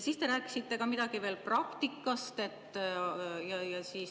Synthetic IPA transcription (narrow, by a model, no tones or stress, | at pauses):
siːst̪e̞ɾæːkːˑi̥sit̪ːe̞kɑmid̪̥ɑɡ̥ive̞ːlprɑkt̪ikːˑɑst̪e̞t̪ːˑjɑjɑsiːs